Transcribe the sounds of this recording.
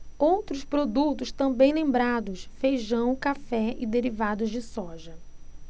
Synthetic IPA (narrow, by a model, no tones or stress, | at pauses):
owt̪ɾʊspɾod̪ut̪ʊst̪ɐ̃bẽj̃nẽmbɾad̪ʊsfejʒɐ̃w̃kafɛɪd̪eɾivad̪ʊzd͡ʒɪsɔʒɐ